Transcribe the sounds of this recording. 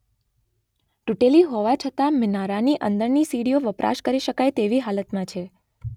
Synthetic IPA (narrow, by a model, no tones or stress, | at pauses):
ʈuʈeliɦoʋat͡ʃʰət̪amɪnaɾaniʔənd̪əɾnisiɽioʋəpɾʔa̰ʃkəɾiʃəkajt̪eʋiɦalət̪mãt͡ʃʰe